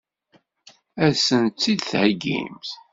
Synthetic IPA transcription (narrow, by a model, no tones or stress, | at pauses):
æsənt͡sːid̪θhəɡːḭmθ